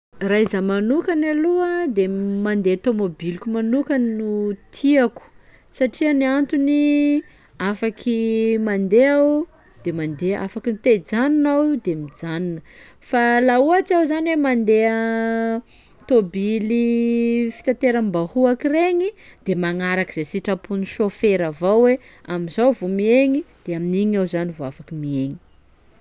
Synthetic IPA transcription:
raizamanukanaluəd̪emand̪eat̪omobilikʲumanukannut̪ʰiaku̥ | saʈ͡ʂiəniant̪uni | afakʰimand̪eaw | d̪̥emand̪ea̰fakinut̪ed͡zaninawid̪emid͡zaninə | falauat͡siawzaniwemand̪eə | t̪obilifi̥t̪at̪eɾəmbahuakireɲid̪̥emaŋaɾakiz̥esiʈ͡ʂapuniʃofeɾavawwe | amizawvomieɲid̪̥eaminiɲawzanivoafakimieɲi̥

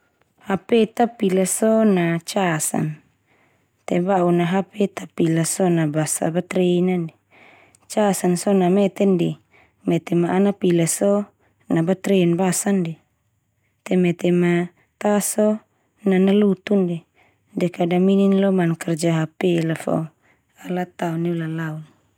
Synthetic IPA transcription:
hapɛt̪apilasɔnat͡ʃasa̰n | t̪ɛbaunaɦapɛt̪apilasɔnabasa̰bat̪ɾɛnandi | t͡ʃasansɔnamɛt̪ɛndɛ | mɛt̪ɛmaʔːnapilasɔ | nabat̪ɾeinbasandi | t̪ɛmɛt̪ɛma | t̪asɔ | nanalut̪undi | dɛkadamininlɔmankɛrd͡ʒaɦapɛlafɔ̰ | alat̪aunilalaun

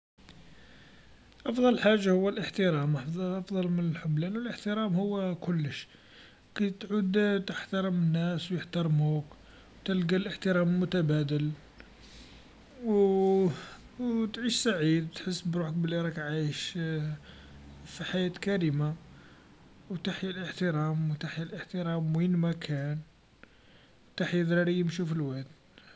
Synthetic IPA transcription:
ʔɑfd̪ˤɑlħaʒːahʊwːəlʔəħt̪əɾæmʔʔɑfd̪ˤɑlmənəlħʊblænwəlʔəħt̪əɾˤæmhʊwːkʊlːəʃ | kit̪ʕud̪t̪əħt̪ɑɾˤəmənːæswjəħt̪ɑɾˤmhuk | wt̪əlɡælʔəħt̪əɾæmlmʊt̪æbæd̪əl | w | wt̪ʕiʃsaʕid̪t̪ħəsːbɾuħək̚bəlːiɾˤɑkʕajəʃ | fiħajæt̪kæɾima | wt̪aħjəlʔəħt̪əɾɑmwt̪aħjəlʔəħt̪əɾɑmwinmækʰæn | t̪aħjəd̪ɾɑɾijəmʃufilwæt̪

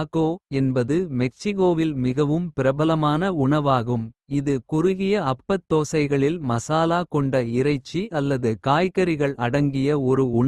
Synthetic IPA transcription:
ɣoːɛnbɐðɯmɛk̚sɪɣoːʋɪlmɪɣɐʋɯmpɪɾɐbɐlɐmaːnɐʊɳɐʋaːɣɯmɪðɯkʊɾʊɣɪjɐɐpːɐt̪ːoːsɐɪɣɐɭɪlmɐsaːlaːkɔɳɖɐɪɾɐɪt͡ʃːiɐlːɐðɯkaːjkɐɾɪɣɐɭɐɽɐŋɡɪjɐɔɾɯʊɳɐ

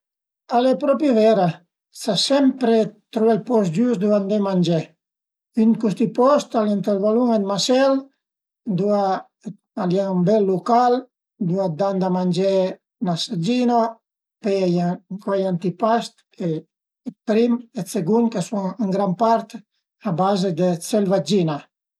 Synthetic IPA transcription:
alepɾɔpjevɛɾa | sasɛmpɾet̪ɾuɛlpɔsd͡ʒusd̪uand̪emaɲd͡ʒɛ | ynkust̪ipɔst̪alant̪elvaluŋed̪masɛl | d̪ua | aljambɛlːukal | d̪uad̪and̪amand͡ʒɛ | nasad͡ʒino | pɛajakwajant̪ipast̪kʰe | pɾimet͡seɡunkasuŋəŋɡɾampaɾt̪ | abazed̪et͡selvad͡ʒina

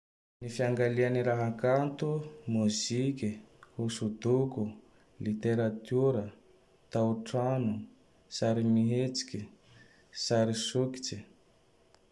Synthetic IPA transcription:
nifiaŋɡalianiɾaɦakant̪umuzikʲihusud̪uku | lit̪eɾat̪uɾə | t̪auʈ͡ʂanu | saɾimiɦet͡si̥kʲi | saɾisuki̥t͡si

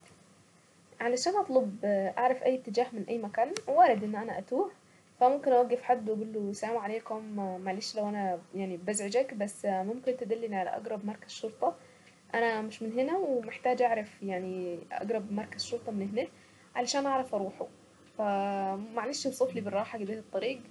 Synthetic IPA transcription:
ʕalæʃæːnʔɑt̪ˤlobʔaʕɾˤɑfʔæjːt̪ːed͡ʒæːhmenʔæjːmækæːnwæɾed̪ʔenːʔænæʔæt̪uːħ | fæmomkenʔæwæɡːefħad̪ːwʔæɡuːlːosææmuʕaleːkæːmːaʕliːʃlæwʔænæjaʕnibæzʕed͡ʒækbæsːmomkent̪ed̪ælːeniʕalæ̰ʔɑ̰ɡɾˤɑbmɑɾˤkæz̥ʃoɾt̪ˤɑ | ʔænæmɪʃmenɦenæwemeħt̪æːd͡ʒʔaʕɾˤɑfjaʕniʔɑ̰ɡɾˤɑbmɑɾˤkæzʃːoɾˤt̪ˤɑmenʔeɦneː | ʕalæʃæːnʔɑʕɾˤɑfʔɑɾˤuːħo | fæmaʕleːʃbsˤefliberˤːɑːħaɑɡebiːɾet̪ˤːɑɾiːɡ

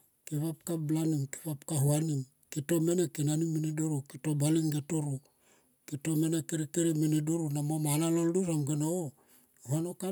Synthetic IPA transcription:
kiβap̚kablanimki̥βapkaɦuanim | kito̞me̞nekinanimːinidoɾukitobaliŋɡetoɾu | kito̞menekeɾikeɾiminidoɾunamomanalolduɾaŋɡeno | huanoka

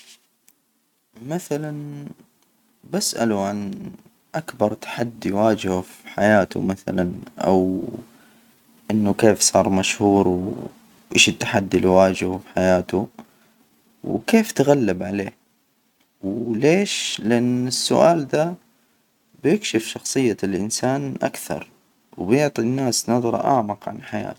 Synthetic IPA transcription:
maθalan | basʔa̰luʕan | ʔakbɑɾˤt̪ḁħad̪ːiwaːd͡ʒɪhufiħajaːt̪ṵmaθa̰lanʔa̰w | ʔɪnːʊkeːfsˤɑːɾˤmaʃhuːɾw | ʔeːʃɪt̪ːḁħad̪ːilwaːd͡ʒɪhufiħajaːt̪u | wkeːft̪aɣalːɪbʕaleː | wleːʃlɪʔanːɪsːʊʔaːld̪a | bjɪkʃɪfʃɑxsˤɨjːalʔɪnsaːnʔa̰kθɑ̰ɾˤ | wbjɪʕt̪ˤinːaːsnɑðˤɾˤʔa̰ʕmɑqʕa̰nħaja̰ːt̪

